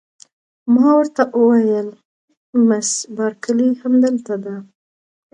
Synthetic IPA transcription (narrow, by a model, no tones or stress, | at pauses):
mɑwəɾt̪aʔəwajəl | masbɑɾkəlihamd̪əlt̪ad̪a